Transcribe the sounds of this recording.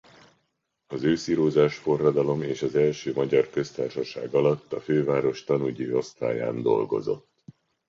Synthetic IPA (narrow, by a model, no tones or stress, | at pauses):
ɒzøːsiɾoːzaːʃfo̞rːɒd̪ɒlo̞meːʃɒzɛlʃøːmɒɟɒrkø̞st̪aːrʃɒʃa̰ːɡɒlɒt̪ːɒføːvaːɾo̞ʃt̪ɒnuɟio̞st̪a̰ːja̰ːnd̪o̞̰lɡo̞̰zo̞̰t̪ː